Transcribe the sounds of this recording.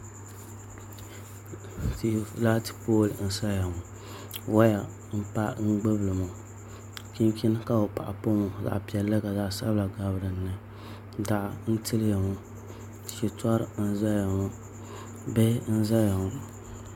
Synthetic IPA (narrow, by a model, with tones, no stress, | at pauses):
ti˨˦la˦ti̥˦poː˦˨ln̩˦sa˦ja˨ŋʊ˨ | wa˦ja˨ | m̩˦pa˦ŋ̩˦ɡ͡bɨ˦blɨ˨mo˨ | ki˦ŋki˦n˦ka˦o˨pa̰˨ʔa̰˨po˦ŋo˨za̰˨ʔpi˨ɛ˨lːɨ˦ka˨za˨ʔsa̰˦bla˨ɡa˨bɨ˦ɾɨ˨nːɨ˦˨ | da˨ʔn̩˦tɨ˦lja˨ŋo˦˨ | ʃi˨twa˦ɾɨ˨n̩˦za˦ja˨ŋʊ˦ | bɛ˦n̩˦za˦ja˨ŋʊ˨